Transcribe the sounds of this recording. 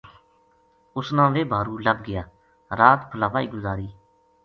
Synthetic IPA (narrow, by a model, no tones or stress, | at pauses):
ʊsnãːʋeːbʱaːɾuːləɡɡɪjaː | ɾaːt̪pʰəlaːʋaːiːɡʊzaːɾiː